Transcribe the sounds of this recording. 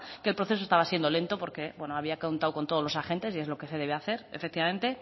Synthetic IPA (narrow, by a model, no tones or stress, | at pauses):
kelpɾoθe̞s̬oest̪aβasje̞nd̪o̞le̞nt̪o̞poɾke̞bwenoaβiakont̪awkont̪olo̞saxe̞nt̪e̞sie̞zlo̞ke̞seðeβ̞eaθe̞ɾefek̚t̪iβamẽnt̪e̞